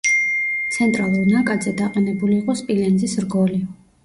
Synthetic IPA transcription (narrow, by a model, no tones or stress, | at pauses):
t̪sʰɛnt̪ʼɾalˠuɾnakʼad̪zɛd̪aqʼɛnɛbuliːqʼɔspʼilɛnd̪zisɾɡɔli